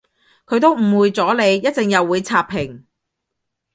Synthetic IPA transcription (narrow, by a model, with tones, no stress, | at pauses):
kʰɵ˨˧ɥt̪o˥wm̩˨˩wuː˨˧jt͡sɔː˨˥le˨˧jːɐ˥t̚t͡sɪ˨ŋjɐ˨wːuː˨˧jt͡sʰaː˧pʰːɪ˨˩ŋ